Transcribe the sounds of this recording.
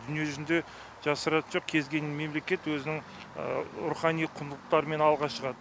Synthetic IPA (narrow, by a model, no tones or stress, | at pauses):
d̪ʏnije̞ʒʏzɪnd̪e̞ | ʒ̥ɑsəɾɑt̪ənʒo̞q̚kʲʰe̞zɡʲe̞nme̞mle̞kʲe̞t̪wɵzɪnɪŋ̰ | ɾuχɑnijqʰʊnd̪lˠəq̚t̪ɑɾəme̞nɑlˠʁɑʃəʁɑd̪ə